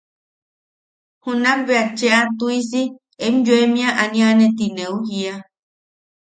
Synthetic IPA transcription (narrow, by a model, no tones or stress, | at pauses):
hunãmbeat͡ʃeat̪uis̬i | emjuemĩaʔanĩanet̪ineuhia